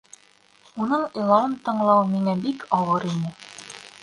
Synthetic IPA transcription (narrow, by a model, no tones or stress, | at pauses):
unɤɴilˠɑɤnt̪ɤ̆ɴlˠɑwmiŋæbikʰɑwɤɾinɘ